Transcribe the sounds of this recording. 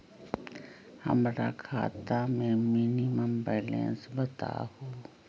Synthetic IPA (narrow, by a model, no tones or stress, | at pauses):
hə̰mɾa̰kʰaːt̪amẽmiːniməmbɛːlɛ̰̃ːnsbət̪a̰hoː